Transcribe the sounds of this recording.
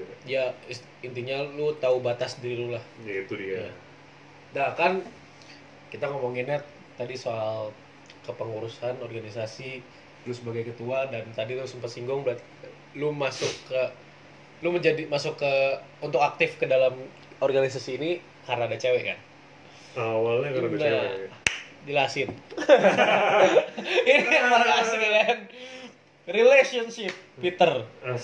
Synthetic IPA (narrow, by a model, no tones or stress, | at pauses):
ja | int̪iɲalut̪aubat̪asdiɾilulahjaɡit̪udia | dakan | kit̪aŋomoŋinat̪̚ːadisoal | kəpəŋuɾusanɔrɡanis̬asi | lusəbaɡajkət̪uadant̪adilusəmpat̪siŋɡʊŋbəɾat̪̚ | lumasʊkːə | luməɲd͡ʒadimasʊkːə | unt̪ʊkak̚t̪ɪfkədalam | ɔrɡanis̬asiːni | harnadat͡ʃawɛka̰n | awalɛkəda | dilasɪn | iniaaɡasiln | rilesɔnsɪp̚pit̪ər